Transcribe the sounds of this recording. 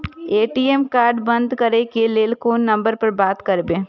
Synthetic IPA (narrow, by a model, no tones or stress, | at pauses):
eːʈiːemkaːɾɖbɐ̃nd̪kɐɾekeleːlkoːnːɐ̃mbəɾpɐɾbaːt̪kɐɾbẽː